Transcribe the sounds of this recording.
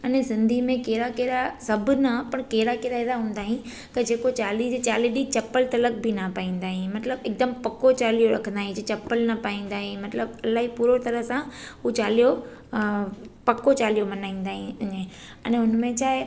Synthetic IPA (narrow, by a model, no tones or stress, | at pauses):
ɐnesɪ̃nd̪ʱimẽkeːɾakeːɾasɐbʱʊnɐpɐɽ̃keːɾakeːɾaeɾaɦũːnd̪aːɦĩ | t̪ɐd͡ʑeːkot͡ɕaːlid͡ʑt͡ɕaːliɗit͡ɕɐpəlt̪ɐlək̚bʱinɐpaːĩːn̆d̪aːɦĩmɐt̪ləbeɪːk̚d̪əmpɐkot͡ɕaːlijoɾɐkʰə̃nd̪aːɦĩd͡ʑet͡ɕɐpːəlnɐpaːĩːn̆d̪aːɦĩmɐt̪ləbɐlaːɦipuːɾot̪ɐɾəɦsãɦut͡ɕaːlijo | pɐkot͡ɕaːlijomɐnaːĩːn̆d̪aːɦĩʊɲə | ɐ̰nɦʊnmẽt͡ɕʰaːe